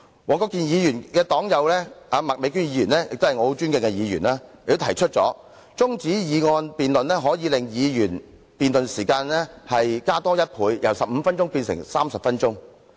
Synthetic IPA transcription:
wɔː˨˩kɔː˧˥kiː˨njiː˨˧jyː˨˩nkɛː˧t̪ɔː˨˥ŋjɐ˨˧wlɛː˥aː˨˧ma˨k̚me˨˧kyː˥njiː˨˧jyː˨˩nlɛː˥jɪ̰˨k̚t̪hɐ˨jŋɔː˨˧o˨˧˥t͡ʃyː˥nŋkɪ˧ŋkɛ˧jiː˨˧jy̰ː˨˩naː˥jɪ˨kt̪o˥t̪ʰjt͡ʃʰɵ˥t̚t͡sɔ̰ː˨˥ | t͡sʊ˥ŋt͡siː˨˥jiː˨˧ŋɔː˧npiː˨nlɵ˨nlɛː˥ɦɔː˨˥jiː˨˧lɪ˨ŋjiː˨˧jyː˨˩n | piː˨nlɵ˨nsiː˨˩kaː˧nlɛː˥hɐ˨jkaː˥t̪ɔː˥jɐ˥t̚pʰuː˨˧jjɐ̰˨˩wsɐ˨p̚m̩ː˨˧fɐ˥nt͡ʃʊ˥ŋpiː˧nsɪ̰˨˩ŋsaː˥msɐ˨p̚fɐ˥nt͡ʃʊ˥ŋ

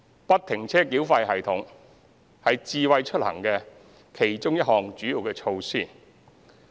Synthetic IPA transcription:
pɐ˥t̚t̪ʰɪ˨˩ŋt͡sʰɛː˥kiː˨˥wfɐ˧jɦɐ˨˩jt̪ʰʊ˨˥ŋ | hɐ˨jt͡siː˧wɐ˧jt͡ʃʰɵ˥t̚hɐ̰˨˩ŋkɛː˧ | kʰe˨˩jt͡sʊ˥ŋjɐ˥t̚hɔː˨˩ŋt͡ʃyː˨˥jiː˨wkɛː˧t͡ʃʰo˧wsiː˥˩

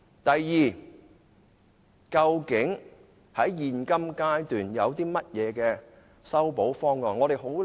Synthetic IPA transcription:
t̪ɐ˨˩jːiː˨ | kɐ˧wkɪ˨˥ŋ | hɐ˨˥jːiː˨nkɐ˥mkaː˥jt̪yː˨˩njɐ˨˧wt̪iː˥mɐ˥t̚jɛː˨˧kɛː˧ | sɐ˥wpo˨˥wfɔː˥ŋkɔː˨˩ŋɔ˨˧ɾe˨˩ɦo˨˥w

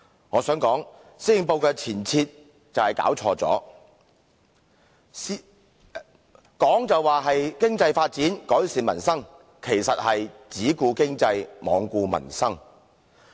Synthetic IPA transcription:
ŋɔː˨˧sœː˨˥ŋkɔː˨˥ŋ | siː˥jɪ˨˧ŋpo˧wkɛː˧t͡sʰiː˨˩nt͡sʰiː˧t̚ | t͡sɐ˨whɐ˨jka̰ː˨˥wt͡sʰɔː˧t͡sɔ̰ː˨˥ | kɔː˨˥ŋt͡sɐ˨wːaː˨ɦɐ˨jkɪ˥ŋt͡sɐ˧jfaː˧t̚t͡siː˨˥nkɔː˨˥jsiː˨nmɐ˨˩nsɐ˥ŋ | kʰe˨˩jsɐ˨t̚hɐ˨jt͡siː˨˥kuː˧kɪ˥ŋt͡sɐ˧jmɔ̰ː˨˧ŋkuː˧mɐ̰˨˩nsɐ˥ŋ

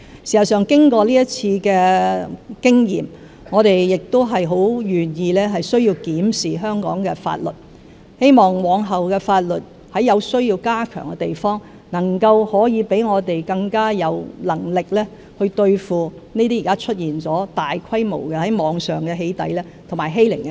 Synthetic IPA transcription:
siː˨˩sɐ˨˩sœː˨ŋkɪ˥ŋkɔː˧liː˥jɐ˥t̚t͡sʰiː˧kɛː˧ | kɪ˥ŋjḭː˨˩m | ŋɔː˨˧t̪e˨jjɪ˨k̚t̪o˥wɦɐ˨jɦo˨˥wjyː˨˩njiː˧lɛː˥ɦɐ˨jsɵ˥ɥjiː˧wkiː˨˥msiː˨ɦœː˥ŋkɔ̰ː˨˥ŋkɛ̰ː˧fa̰ː˧t̚lɵ˨˩t̚ | he˥jmɔː˨ŋwɔː˨˧ŋɦɐ˨wkɛː˧faː˧t̚lɵ˨t̚ | hɐ˨˥jɐ˨˧wsɵ˥ɥjiː˧wkaː˥kʰœ̰ː˨˩ŋkɛ˧t̪e˨˩jfɔː˥ŋ | nɐ˨˩ŋkɐ˧whɔː˨˥jiː˨˧pe˨˥jŋɔː˨˧t̪e˨jkɐ˧ŋkaː˥jɐ˨˧wlɐ˨˩ŋlɪ˨k̚lɛː˥ | hɵ˧ɥt̪ɵ˧ɥfuː˨ | niː˥t̪iː˥˨kaː˥t͡ʃʰɵ˥t̚jiː˨˩nt͡sɔː˨˥t̪aː˨jkʰɐ˥jmo̰˨˩wkɛ˧hɐ˨˥jmɔː˨˧ŋsœː˨˩ŋkɛ˧ɦe˨˧jt̪ɐ˨˥jlɛː˥t̪ʰo˨˩ŋmaː˨˩jɦe˥jlɪ˨˩ŋ

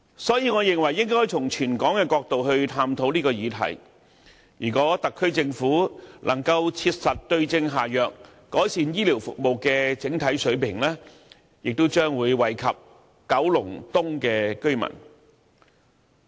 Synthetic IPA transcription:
sɔː˨˥jiː˧ŋɔː˨˧jɪ˨ŋwɐ˨˩jːɪ˥ŋkɔː˥jt͡sʰʊ˨˩ŋt͡ʃʰyː˨˩nkɔː˨˥ŋkɛː˧kɔː˧k̚t̪o˨wɦɵ˧ɥt̪ʰaː˧mt̪ʰo˨˥wliː˥kɔː˧jiː˨˧t̪ʰɐ̰˨˩j | jyː˨˩kɔː˨˥t̪ɐ˨kʰːɵ˥ɥt͡sɪ˧ŋfuː˨˥lʔɐ˨˩ŋkɐ˧wt͡sʰiː˧t̚sɐ˨t̚t̪ɵ˧ɥt͡sɪ˧ŋɦaː˨jœː˨k̚ː | ɔː˨˥jsiː˧njiː˥liː˨˩wfʊ̰˨k̚mo˨wkɛː˧t͡sɪ˨˥ŋt̪ʰɐ˨˥jsɵ˨˥ɥpʰɪ˨˩ŋlɛː˥ | jɪ˨k̚t̪o˥wt͡ʃœː˥ŋwuː˨˧jwɐ˨˩jkʰɐ˨p̚ | kɐ˨˥wlʊ̰˨˩ŋt̪ʊ˥ŋkɛː˧kɵ˥ɥmɐ̰˨˩n

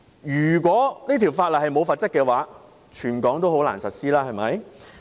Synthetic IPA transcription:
jyː˨˩k̬ʷɔː˨˥niː˥t̪ʰi˨˩wfaː˧t̚lɐ˨˩hɐ˨jmo˨˧wfaː˨˧t̚t͡sɐ˥kːɛː˧waː˨˥ | t͡ʃʰyː˨˩nkɔː˨˥ŋt̪o˥who˨˥wla̰ː˨˩nsɐ˨t̚siː˥laː˥hɐ˨jmɐ˨˥j

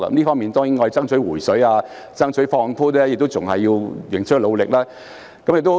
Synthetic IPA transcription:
ɐ̰˧ɐ˨˦mliː˥fɔː˥miː˨nt̪ɔː˥ŋji˨˥ŋɔː˧˨t͡sɐ˥ŋsʰɵ˨˥ɥwuː˨˩jsɵ˨˥jaː˧ | t͡sɐ˥ŋsʰɵ˨˥fɔː˧˥ŋfuː˥tɛː˥jɪ˨k̚t̪o˥wt͡sʊ˨˩ŋɦɐ˨jːiː˧wjɪ˨ŋt͡ʃʰk̚lo˨˧wlɪ˨k̚laː˥ | kɐ˨˥mjɪ˨k̚t̪o˥˧

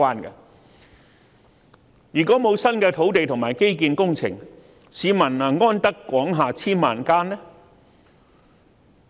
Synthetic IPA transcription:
aː˥nkɐ̰˧ | jyː˨˩kɔː˨˥mo˨˧wsɐ˥nkɛː˧t̪ʰo˨˥wt̪e˨jt̪ʰʊ˨˩ŋmaː˨˩jke˥jk̬iː˧nkʊ˥ŋt͡sʰɪ̰˨˩ŋ | siː˨˧mɐ˨˩nɐ˨˧ŋɔː˥nt̪ɐ˥kːwɔː˨˥ŋɦaː˨˧t͡sʰiː˥nmaː˨nkaː˥nlɛ˥

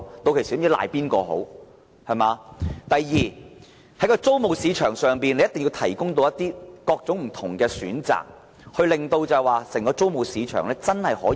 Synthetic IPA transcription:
t̪o˧wkʰe˨˩siː˨˥la̰ː˨jpiː˥nkɔː˧ɦo̰˨˥w | hɐ˨˩maː˨˧t̪ɐ˨jːiː˨ | hɐ˨˥jkɔː˧t͡so˥wmo˨wsiː˨˧t͡ʃʰœː˨˩ŋsœː˨˩ŋpiː˨nle˧jɐ˥t̪ŋji˧wt̪ʰɐ˨˩jkʊ˥ŋt̪o˧wjɐ˥t̚t̪iː˥kɔː˧k̚t͡sʊ˨˥ŋm̩˨˩t̪ʰʊ˨˩ŋkɛː˧sy̰ː˨˥nt͡sa̰ː˨k̚ | hɵ˧ɥlɪ˨ŋt̪o˧wt͡sɐ˨waː˨sɛ˨˩ŋkɔː˧t͡so˥wmo˨wsiː˨˧t͡ʃʰœ̰ː˨˩ŋlɛː˥t͡sɐ˥nhɐ˨jhɔ̰ː˨˥

